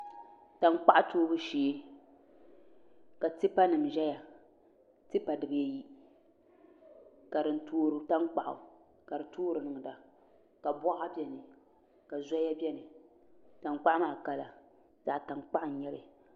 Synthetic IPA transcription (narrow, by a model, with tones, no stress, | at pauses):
ta˨n˦k͡pa˦ʔa˦toː˦bɨ˦ʃiː˨˦ | ka˨ti˦pa˦nɨ˨m˨ʒɛ˦ja˨ | tɪ˦pa˨dɨ˨bɨ˨ja˦ji˦ | ka˨dɨ˨˦n̩˦toː˦ɾɨ˨˦ta˦nk͡pa˨ʔʊ̰˨ | ka˨dɨ˨tʰoː˦ɾɨ˨nɨ˨ŋ˨da˨ | ka˨bɔ˦a˦bɛ˦nɨ˨ | ka˨za˦ja˦bjɛ˦nɨ˨ | ta˨nk͡pa˦ʔmaː˦˨ka˦la˨ | za˨ʔta˨nk͡pa˦ʔn̩˨ɲɛ˦lɨ˨